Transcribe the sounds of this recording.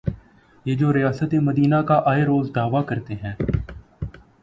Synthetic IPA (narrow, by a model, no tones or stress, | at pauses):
jeːd͡ʒoːɾɪjaːsət̪eməd̪iːnakaʔaːeɾoːzɖ̪aːʋakəɾt̪eɦɛ̃ː